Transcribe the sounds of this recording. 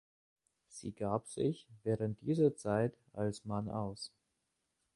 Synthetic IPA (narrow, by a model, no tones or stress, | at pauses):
z̥ḭːɡaːpz̥ɪ̰çvɛːʁənt̚d̥iːzɐt͡saɪt | alsmana̰ʊs